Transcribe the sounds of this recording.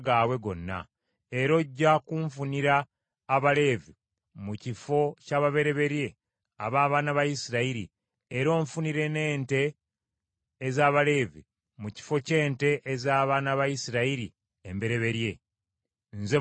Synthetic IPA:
ɡaːwe̞ɡo̞̰nːa̰ | e̞ɾo̞ɟːakuɱfuniɾaː | βale̞vi | mucifo̞caβaβe̞ɾe̞βe̞ɾje̞ | a̰βaːβaːnaβajisiɾaiɾḭ | eɾo̞ːɱfuniɾe̞ne̞ːnte̞ | zaːβale̞ːvḭ | muci̥fo̞ce̞ːnte̞ʔezaːβaːnaβajisiɾaiɾḭ | embe̞ɾe̞βe̞ɾje̞ | nze

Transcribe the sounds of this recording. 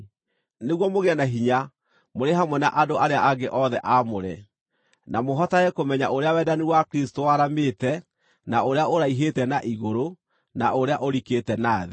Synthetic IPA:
neɣwɔmoɣeɛnaɦiɲa | moɾeɦamwɛna̰ʔadoʔaɾeaʔaɡeʔɔðɛʔamoɾɛ̰ | namoɦɔtaɛkomɛɲaoɾeawɛːdaniwakɾistowaɾameːtɛ | naoɾeaoɾaiɦetɛnaʔiɣoɾo | na̰ʔoɾeaʔoɾiketɛnaːðe

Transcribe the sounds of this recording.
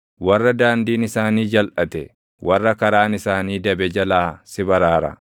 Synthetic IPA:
wɐrːɐd̪aːnd̪iːnɪsaːniːd͡ʒɐlʔɐt̪ɛ | wɐrːɐkɐɾaːnɪsaːniːd̪ɐbɛd͡ʒɐlaːsɪbɐɾaːɾɐ̰

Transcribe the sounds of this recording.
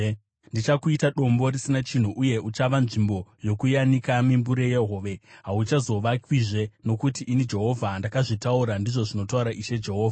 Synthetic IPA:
ndit͡ʃakuitaɗo̞mbo̞risinat͡ʃin̤uʔuje̞ut͡ʃaʋanʐimbo̞jo̞kujanikamimbuɾe̞jeɦo̞ːʋe̞ɦaut͡ʃazo̞ʋakwiʐe̞no̞kutiʔːnid͡ʒe̞ɦo̞vʱandakaʐitauɾandiʐoʐino̞tauɾaʔiʃe̞d͡ʒe̞ɦo̞ːvʱa

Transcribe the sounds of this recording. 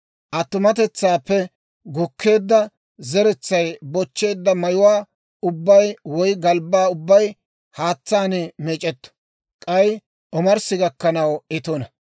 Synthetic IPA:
ʔɐt̪ːʊmɐt̪ɛt͡sːaːpːɛ | ɡʊkʰːe̞ːd̪ːɐ | zɛɾɛt͡sːɐjbɔt͡ʃːe̞ːd̪ːɐmɐjʊwaː | ʊbːɐjwɔjɡɐlbːaːʊbːɐj | haːt͡sːaːnɛmeːt͡ʃʼɛt̪ːɔ̥ | kʼɐj | ʔɔmɐɾsɪɡɐkːɐnɐwɛt̪ɔnɐ

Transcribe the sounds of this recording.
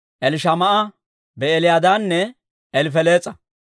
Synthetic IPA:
ʔɛlɪʃɐmɐʔɐ | bɛɛlɪjad̪aːnːɛ | ɛlɪfɛle̞ːt͡sʼːɐ

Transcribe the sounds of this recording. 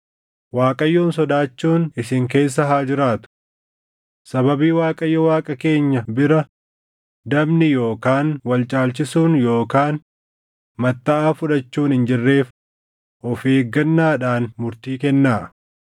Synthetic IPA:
waːkʼɐjːoːnsɔd̪aːt͡ʃːuːnɪsɪŋk̬e̞ːs̬ːɐɦaːd͡ʒɪɾaːt̪ʊ̥ | sɐbɐbiːwaːkʼɐjːɔwaːkʼɐke̞ːɲːɐbɪɾɐ | d̪ɐbnɪjo̞ːkaːnwɐlt͡ʃʼaːlt͡ʃɪsuːnjo̞ːkaːn | mɐt̪ːɐʔaːfʊᶑɐt͡ʃːuːnhɪnd͡ʒɪrːe̞ːf | ʔɔfeːɡːɐnːaːᶑaːnmʊɾt̪iːkɛnːaː

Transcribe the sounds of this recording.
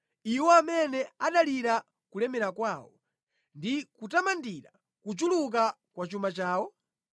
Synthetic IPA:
iwɔamɛnɛaɗaliɾa | kulɛmɛɾakwaːwɔ̰ | ndikutamandiɾa̰ | kut͡ʃuluk̬a | kwat͡ʃumat͡ʃaːwɔ

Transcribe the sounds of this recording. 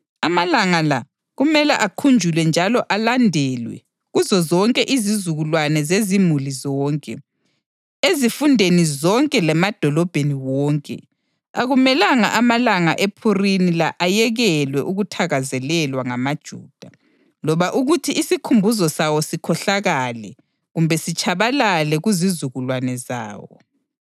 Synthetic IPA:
amalaŋala | ɣumɛlɛʔakʰund͡ʒʱulwɛnd͡ʒʱalɔʔalandʱɛlwɛ̰ | ɣuzɔzɔŋkʼɛʔizizuɣulwanɛzezimulizɔːŋkʼɛ | ezifundʱenizɔŋkʼɛlɛmad̥ʱɔlɔb̥ʱeniwɔːŋkʼɛ̰ | aɣumɛlaŋaʔamalaŋa̰ʔepʰurinilaʔajɛɣɛlwɛʔuɣutʰaɣazɛlɛlwaŋamad̥ʒ̥ʱṵːd̥ʱa | lɔβaʔuɣutʰiʔːsikʰumbʱuzɔsawɔsikʰɔɬaɣalɛ̰ | ɣumbʱɛsit͡ʃʼaβalalɛɣuzizuɣulwanɛza̰ːwɔ̰

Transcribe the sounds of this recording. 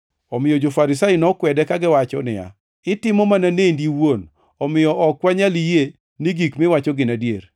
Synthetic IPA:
ɔmɪjɔd͡ʒofaɾɪsajinɔkwɛdɛkaɡɪwat͡ʃɔ̰nɪ̰ja̰ | ɪtɪmɔmananendiwon | ɔmɪjɔʔɔkwaɲalije | niɡikmɪwat͡ʃɔɡɪnadjer

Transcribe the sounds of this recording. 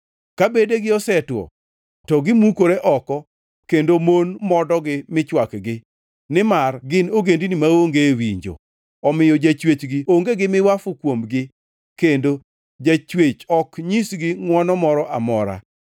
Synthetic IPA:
kabedeɡɪɔsɛtwɔ̰ | tɔɡɪmukoɾeʔɔkɔ | kendomonmɔdɔɡɪmɪt͡ʃwakɡɪ | nɪmarɡɪnoɡendinimaoŋɡewiɲd͡ʒo̰ | ɔmɪjɔd͡ʒat͡ʃwet͡ʃɡɪoŋɡeɡɪmɪwafʊkwomɡɪ | kendo | d͡ʒat͡ʃwet͡ʃɔkɲisɡɪŋwɔnɔmɔɾɔʔamɔɾa̰

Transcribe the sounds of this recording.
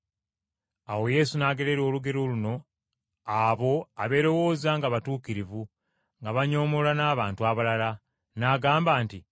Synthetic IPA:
awo̞je̞sunaːɡe̞ɾe̞ɾo̞ːluɡe̞ɾoluno̞ | aβo̞aβe̞ːɾo̞wo̞ːzaŋɡaβatuːkiɾivu | ŋɡaβaɲo̞ːmolanaːβaːntuaβalala | naɡaːmbaːnti

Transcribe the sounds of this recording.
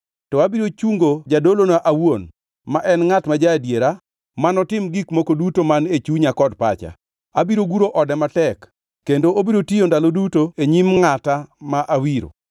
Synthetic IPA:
tɔabiɾot͡ʃuŋɡod͡ʒadolonaʔawon | maʔɛnŋatmad͡ʒadjeɾa | manɔtɪmɡikmokodutomanet͡ʃuɲakɔdpa̰t͡ʃa̰ | abiɾoɡuɾoʔɔdɛmatɛkː | endoobiɾotijondalodutoeɲimŋatamaʔawiɾo̰

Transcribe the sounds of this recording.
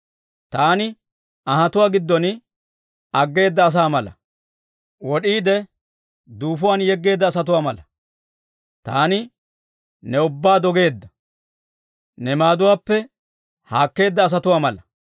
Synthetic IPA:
t̪aːnɪ | ɐhɐt̪ʊwaːɡɪd̪ːɔn | ɐɡːe̞ːd̪ːɐːs̬aːmɐlɐ̰ | wɔɗiːd̪ɛ | d̪uːfʊwaːnjɛɡːe̞ːd̪ːɐːs̬ɐt̪̬ʊwaːmɐlɐ | t̪aːnɪ | nɛʊbːaːd̪ɔɡe̞ːd̪ːɐ | nɛmaːd̪ʊwaːpːɛ | haːkːe̞ːd̪ːɐːs̬ɐt̪ʊwaːmɐlɐ

